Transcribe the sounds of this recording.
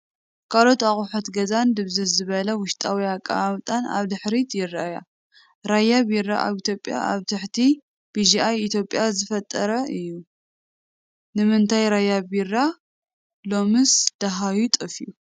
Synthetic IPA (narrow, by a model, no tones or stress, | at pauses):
kʰalo̞t̪aχʼuħɐt̪ɡɐzand̪ɨβzɨzɨβɐlɐwʊʃt̪ʼawiakʼːa̰βamt̪ʼana̰βd̪ɨħɾit̪ʰjɪɾaja̰ | ɾajaβiɾa̰ʔa̰βit̪ʰjo̞pʼja̰ʔa̰βt̪ʰɨħt̪ʰi | b̥id͡ʒiajit̪ʰjo̞pʼːjazɨfɐt̪ʼːɐɾɐʔɨjːu | nɨmɨnt̪ʰajɾajabiɾa | lo̞mɨsd̪̥aɦajut̪ʼɨfiu